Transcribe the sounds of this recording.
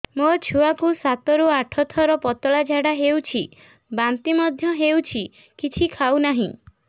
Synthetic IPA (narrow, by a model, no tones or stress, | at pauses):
mot͡ʃʰuakusat̪ɔɾuaʈʰɔt̪ʰɔɾɔpɔt̪ɔɭad͡ʒʱaɽaɦewt͡ʃʰi | bant̪imɔd̪ʱjɔɦewt͡ʃʰi | kit͡ʃʰikʰaunaɦĩ